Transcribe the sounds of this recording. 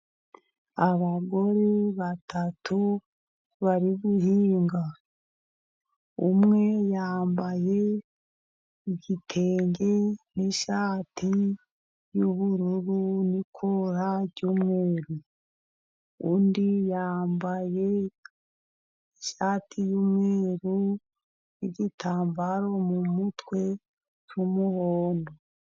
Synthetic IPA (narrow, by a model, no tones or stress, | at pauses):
aβaɡo̞ɾe̞βatatʰu | βaɾiβuɦiːŋɡa | umŋe̞jaːmbaje̞ | iɟitʰe̞ːɲɟe̞niʃaːtʰi | juβuɾuɾunikʰoɾaɟumŋeːɾu | undijaːmbaje̞ | iiʃaːtʰijumŋeːɾu | niɟitʰaːmbaɾo̞mumutwe̞ | t͡ʃumuhoːndo